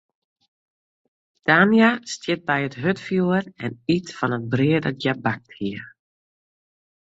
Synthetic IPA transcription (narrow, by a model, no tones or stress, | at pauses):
d̥aːnjastjɪt̚bɛjətɦøtfjuərɛnitfɔnət̚brɪədəɡjabak̚thiə